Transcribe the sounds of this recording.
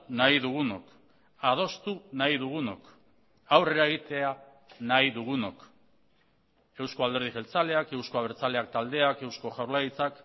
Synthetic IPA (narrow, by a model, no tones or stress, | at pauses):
naiðuɣ̞unok | að̞o̞st̪unaiðuɣ̞uno̞̰k | awre̞ɾae̞ɣ̞it̪e̞a | najðuɣuno̞k | e̞wsko̞ald̪e̞ɾð̞iɣe̞lt͡sale̞ake̞wsko̞aβeɾt͡sale̞ak̚t̪ald̪e̞ake̞wsko̞ʝawɾlajit͡sak